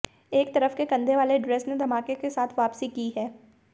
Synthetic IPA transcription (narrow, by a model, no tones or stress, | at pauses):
eːk̚t̪ɐɾəfkekɐ̃nd̪ʱeʋaːleɖɾeːsned̪ʱɐmaːkekesaːt̪ʰʋaːpsikiɦɛː